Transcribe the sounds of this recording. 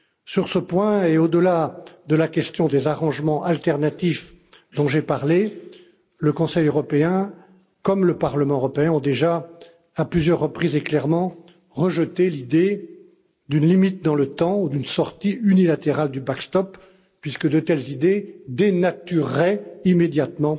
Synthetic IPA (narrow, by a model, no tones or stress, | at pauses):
syʁsəpwɛ̃eod̪əlad̪əlakʲɛst̪jɔ̃d̪ezaʁɑ̃ʒmɑ̃ʔalt̪ɛʁnat̪if | d̪ɔ̃ʒepaʁle | ləkɔ̃sɛjøʁɔpeɛ̃ | kɔmləpaʁləmɑ̃øʁɔpeɛ̃ɔ̃d̪eʒa | aplyzjœʁːəpχizeklɛʁmɑ̃ | ʁəʒət̪elid̪e | d̪ynlimit̪̚d̪ɑ̃lət̪ɑ̃ud̪ynsɔʁt̪iynilat̪eʁald̪ybakst̪ɔpː | ɥiskəd̪ət̪ɛlzid̪ed̪enat̪yʁːɛimed̪jat̪mɑ̃